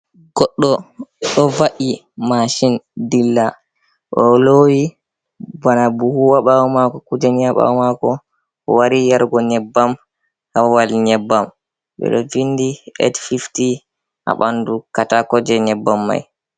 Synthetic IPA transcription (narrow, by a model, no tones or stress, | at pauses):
ɡɔɗːɔɗɔvaʔi | maʃindilːa | ɗɔlowi | banabuhuwaɓawmakɔkud͡ʒɛniaɓa̰makɔ̰ | waɾijaɾɡɔɲɛbːam | hawalɲɛbːam | ɓɛ̰ɗɔd͡ʒindiɛ̰tfifti | ʔa̰ɓandukatakɔd͡ʒɛɲɛbːamːa̰j